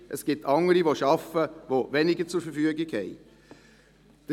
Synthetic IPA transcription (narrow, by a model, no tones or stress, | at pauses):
ʔəsɡ̥ɪtʰːɑŋəɾiʋoʃɑfəʋovɛnɪɡət͡sʊɾfəfyəɡɪɡhɛɪ | d̥ə